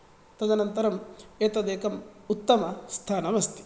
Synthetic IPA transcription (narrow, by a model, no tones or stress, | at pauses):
t̪ɐd̪ɐnɐnt̪ɐɾɐmeːt̪ɐd̪eːkɐmut̪ːɐmɐst̪ʰaːnɐmɐst̪i̥